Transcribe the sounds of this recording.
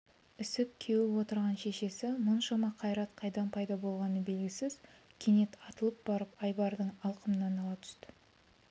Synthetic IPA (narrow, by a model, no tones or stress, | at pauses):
ʏsɪp̚kʲʰewɪwo̞t̪əɾʁɑnʃe̞ʃe̞sɪmʊnʃɑmɑqʰɑjɾɑt̪qʰɑjd̪ɑnpʰɑjd̪ɑbo̞lˠʁɑnəbe̞lɡʲɪsɪzkʲʰene̞t̪ʰɑt̪əlˠəp̚b̥ɑɾəpɑjbɑɾd̪əɴɑlˠqəmənɑnɑlˠɑt̪ʰʏ̥st̪ɪ̥